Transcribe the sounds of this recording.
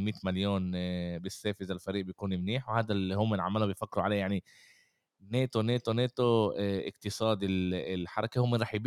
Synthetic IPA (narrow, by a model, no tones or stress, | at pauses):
miːt̪maljoːnbɪsːeːfɪzalfaɾiːʔbjkuːnɪmniːħwhaːd̪alihʊːmːɪnʕa̰mːalubɪjfakːɾuʕaleːjaʕni | neːt̪oneːt̪oneːt̪oʔɪ̰qt̪ɨsˤɑːd̪ɪlɪlħɑɾˤɑkehʊːmɪnɾˤɑːħjb